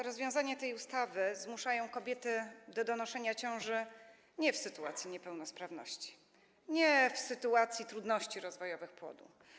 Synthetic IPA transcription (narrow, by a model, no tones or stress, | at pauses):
ɾɔzvʲjɔ̃w̃zaɲɛt̪ɛjust̪avɘzmuʂajɔ̃w̃kɔbʲjɛt̪ɘd̪ɔd̪ɔnɔʂɛɲat͡ɕɔ̃w̃ʐɘ | ɲɛfsɘt̪ua̰t̪sʲjiɲɛpɛwnɔspɾavnɔ̰ɕt͡ɕi̥ | ɲɛfsɘt̪uat̪sʲjit̪ɾud̪nɔɕt͡ɕiɾɔzvɔjɔvɘxpwɔ̰d̪ṵ